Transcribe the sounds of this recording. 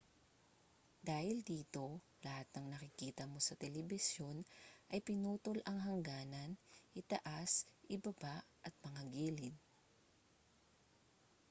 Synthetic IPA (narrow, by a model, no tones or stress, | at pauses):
d̪aːhɪld̪iːt̪o̞ | lɐhat̪̚nɐŋnɐkɪkiːt̪ɐmo̞sɐt̪ɛlɛbɪsjo̞nʔɐjpɪnuːt̪olʔɐŋɦɐŋɡaːnɐnʔɪt̪ɐʔasʔɪbɐbaʔʔɐt̪̚mɐŋɐɡiːlɪn